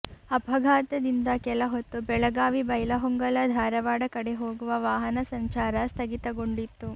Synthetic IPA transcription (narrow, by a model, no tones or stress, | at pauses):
ɐbʱɐɡʱaːt̪ɐd̪ind̪ɐkɛlɐɦot̪ːubɛɭɐɡaːʋibɐjlɐɦoŋɡɐlɐd̪ʱaːɾɐʋaːɽɐkɐɽeɦo̞ːɡuʋɐʋaːɦɐnɐsɐɲt͡ʃaːɾɐst̪ʰɐɡit̪ɐɡoɳɖit̪ːu